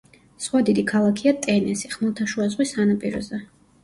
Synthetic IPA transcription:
sχwad̪id̪ikʰalˠakʰiat̪ʼɛnɛsiχmɛlˠt̪ʰaʃuazʁwisanapʼiɾɔ̰zɛ

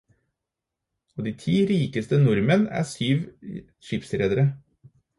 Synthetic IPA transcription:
oːd̪iːt̪ʰiːɾiːkəst̪ənʊɾmənæ̰ːsyːʋ | ʃiːpsɾeːd̪əɾə

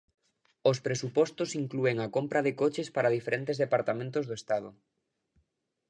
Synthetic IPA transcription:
ospɾesupɔst̪osiŋklueŋakompɾaðɪkot͡ʃespaɾaðifeɾẽnt̪ezðepaɾt̪amẽnt̪ozðoest̪að̞ʊ

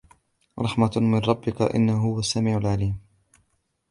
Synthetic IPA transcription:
ɾˤɑħmamɪnˤɑbːɪka̰ʔɪ̰nːahʊwasːamiːʕalʕaliːm

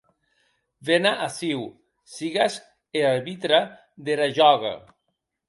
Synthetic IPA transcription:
venaʔasiw | siɣas | eaɾβit̪ɾa | ðeɾaʒɔɣa̰

